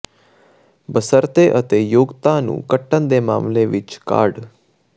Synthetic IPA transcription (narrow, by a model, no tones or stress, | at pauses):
bəsəɾt̪eːʔət̪eːjoːɡt̪ãːnṵ̃ːkəʈːənd̪eːma̰ːmleʋɪt͡ʃka̰ːɖ